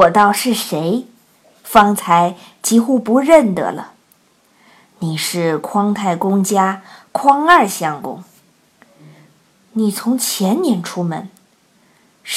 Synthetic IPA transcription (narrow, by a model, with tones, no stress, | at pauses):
wɔ˨˩t̪ɑ˥˧ʊʂɻ̩˥˩ʂe˧˥ɪ | fɑ˥ŋt͡sʰa˧˥ɪ | t͡ɕi˥xu˥pu˧˥ɻə˥˩nd̪ə̰˩lə̰˩ | ni˨˩ʂɻ̩˥˩kʰwɑ˥ŋt̪ʰa˥˩ɪkʊ˥ŋt͡ɕja˥kʰwɑ˥ŋɐ˞˥˧˩ɕjɑ˧˥ŋkʊ̰˥ŋ | ni˨˩t͡sʰʊ˧˥ŋt͡ɕʰjɛ˧˥nnjɛ˧˥nʈ͡ʂʰu˥mə̰˧˩˦n